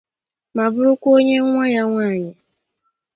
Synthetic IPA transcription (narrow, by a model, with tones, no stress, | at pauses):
ma˨bʊ˦ɾʊ˦kʷo˦ɲe˦ŋʷa˦ja˦ŋʷaː˦˨ɲɪ˨